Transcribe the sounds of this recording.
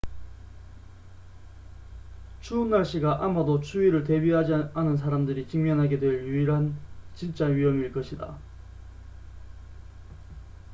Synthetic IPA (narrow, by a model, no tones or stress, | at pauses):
t͡ɕʰuːnːaɭɕ͈iɡaʔamadot͡ɕʰuiɾɯɭt̬e̞biɦad͡ʑanɯns̬ʰaɾamdɯɾikimjʌnɦaɡe̞dwe̞ɭjuiɾɦant͡ɕint͡ɕ͈aɥiɦʌmiɭk͈ʌɕʰida̰